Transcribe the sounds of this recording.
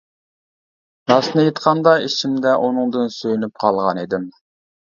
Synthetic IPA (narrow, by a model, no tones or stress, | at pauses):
ɾɑsnɨjet̪qʰɑnd̪ɑit͡ʃʰimd̪ɛʔunɨŋd̪ɨnsøjynyp̚qʰɑlˠʁɑnid̪ɪm